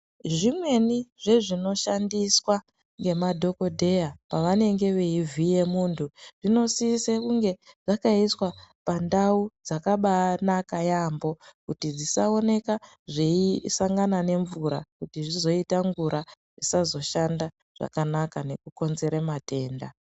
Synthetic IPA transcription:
ʐimwe̞niʐe̞ʐino̞ʃandiswa | ŋɡe̞madʱo̞ko̞dʱe̞japaʋane̞ŋɡe̞ʋe̞ivʱije̞muːntʰuʐ̥ino̞sisekuŋɡe̞ʐ̥akaiswapandaud͡zakaɓanakajambo̞kutid͡zisao̞ne̞ka | ʐeisaŋɡanane̞ɱvuɾa̰kutiʐizo̞itaɱɡuɾʔa | ʐisazo̞ʃanda | ʐ̥a̰kanakane̞kuko̞nze̞ɾemate̞ːnda

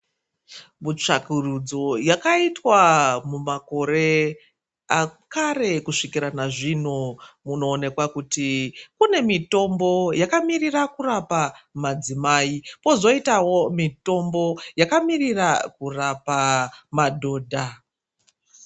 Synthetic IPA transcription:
mut͡ʂakurud͡zo̞jakaitwamumako̞ɾe̞ | akaɾe̞kuʂikiɾanaʐinumuno̞ːne̞kwakutikune̞mito̞mbo̞jakamirirakurapamad͡zimaːipo̞zo̞itawo̞mito̞mbo̞jakamirirakurapamadʱo̞ːdʱa

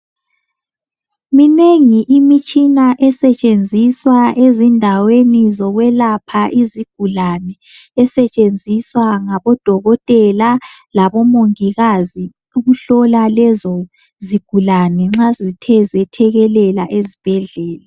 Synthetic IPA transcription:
mineŋiʔimit͡ʃʼinaʔɛsɛt͡ʃʼend͡zʱiswaʔezindʱawenizɔɣwɛlapʰaʔiziɡ̥̚ʱulanɛː | sɛt͡ʃʼend͡zʱiswaŋaβɔd̥ʱɔɣɔtʼɛlalaβɔmoŋiɣazi | uɣuɬɔlalɛzɔ | ziɡ̥ʱulanɛŋ͡ǁazitʰɛzɛtʰɛɣɛlɛlaʔezib̥ʱɛɮɛːla

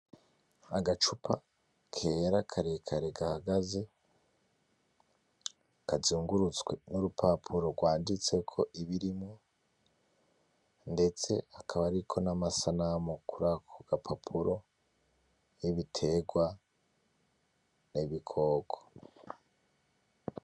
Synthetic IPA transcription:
aɡat͡ʃupʰa | kʰe̞ːɾakʰaɾekʰaɾe̞ɡahaɡaze | kazuːŋɡuɾut͡sɡwenuɾupʰapʰuɾo̞ɡwaːndit͡se̞kʰo̞ʔiβiɾimo | nde̞t͡se̞akʰaβaɾikʰo̞namasanamokuɾakʰoɡapʰapʰuɾo̞ | jeβitʰe̞ɡwa | neβikʰo̞ːko̥

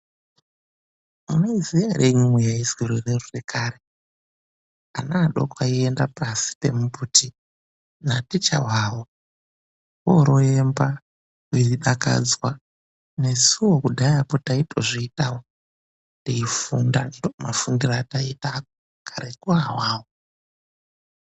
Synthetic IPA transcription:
unoiziaɾʔeɲumujaizɡiɾererorekʰaːɾe | a̰naːɗo̰kwaiendapasi̥pe̞̰muputi | natit͡ʃa̰wawo | woɾoemba | wiriɗaka̰d͡zwa | ne̞siwo̞kudʱajapotaitʰoʐiitawo | ndeifundanoma̰fundiraːtaitao | kʰaɾekuawaːwo

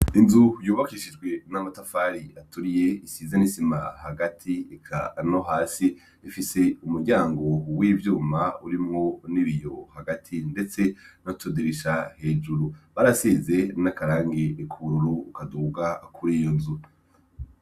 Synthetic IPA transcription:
inzujuːβakiʃid͡ʒɡwe̞namatafaɾiatuɾije̞isiːzenisimahaɡatʰiikʰa̰noɦaːsiː | fise̞umuɾɟaːŋɡo̞wiːvjuːmauɾimŋo̞niβijo̞haɡatʰinde̞t͡se̞natʰudiɾiʃahe̞ːd͡ʒuɾuβaɾasize̞nakaɾaːŋɡeːkʰuuɾuɾuːkaduːɡaakʰuɾijonzu

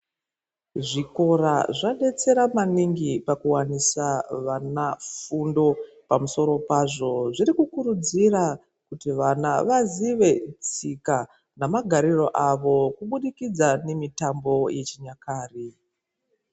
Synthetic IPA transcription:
ʐiko̞raʐaɗe̞t͡se̞ɾamaniŋɡipakuwanisaʋanafundo̞ | pamuso̞ɾo̞paːʐo̞ʐiɾikukuɾud͡zira | kutiʋanaʋaziʋe̞t͡sika | namaɡʱaɾiro̞ʔaʋo̞kuɓuɗikid͡zane̞mitambo̞jʔe̞t͡ʃiɲakaːri

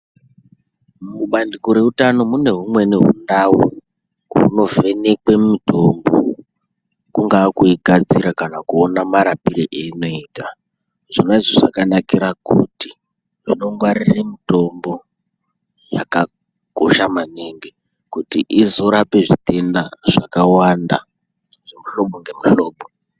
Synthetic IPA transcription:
muɓandikoɾe̞utano̞mune̞ɦumwe̞ne̞ɦṵndawu | ɦṵno̞ve̞ne̞kwe̞mito̞mbo̞̰ | kuŋɡaːkuiɡʱad͡ziɾakanakuonamaɾapiɾeʔeino̞iːta | ʐinaiʐoʐakanakiɾakuti | ʐino̞ŋɡwariremito̞mbo̞ | ja̰ka | ɡ̥ʱoʃamaneŋɡe̞ | kutiʔizo̞ɾape̞ʐite̞ndaʐ̥akawanda̰ | ʐ̥emuɬo̞ɓoŋɡe̞muɬo̞ːɓo

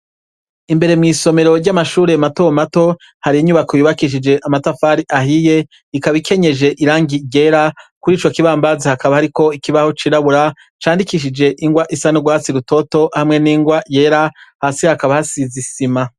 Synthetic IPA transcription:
imbe̞ɾe̞mŋiːso̞me̞ɾo̞ɾɟamaʃuːɾe̞matomato̞ | haɾiiɲuβakojuβakiʃ̬id͡ʒe̞ʔamatafaɾiʔahije̞ | ikaβikʰe̞ɲe̞d͡ʒe̞ʔiɾaːŋɡiɟe̞ːɾakuɾiːt͡ʃo̞kiβaːmbazahakaβahaɾiko̞ikiβaho̞t͡ʃiɾaβuɾa | t͡ʃaːndikiʃ̬id͡ʒe̞ʔiŋɡwaʔisanoɡwaːt͡siɾuto̞to̞hamŋe̞niːŋɡwaje̞ːɾahaːsihakaβahasizisima

